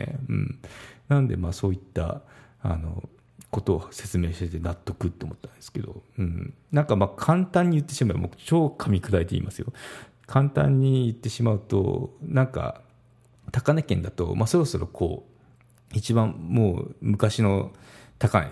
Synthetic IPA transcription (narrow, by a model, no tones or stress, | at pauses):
ḛɯ̟̰̃ːɴnãnd̪e̞̰maːso̞ːit̪ːa̰ | a̰no̞̰ | ko̞t̪o̞ːse̞t͡sɨme̞ːɕi̥t̪e̞t̪e̞nat̪ːo̞kɯ̟t̪ːeo̰mo̞t̪ːãnd̪e̞sɨ̥ke̞d̪o̞̰ɯ̟̃ɴ | nãŋkamaːkʰãnt̪ãɲ̟ːijɯt̪ːe̞ɕimaib̰mot͡ɕo̞ːkʰamʲikɯɾaet̪e̞ḭmasɨjo̞̰ | kʰãnt̪ã̰ɲ̟ːijɯt̪ːe̞ɕimaɯ̟t̪o̞̰nãŋka̰ | t̪akanekẽ̞nd̪at̪o̞̰maso̞ɾo̞so̞ɾo̞kʰo̰ː | it͡ɕibãmmoːmɯ̟kaɕino̞t̪akana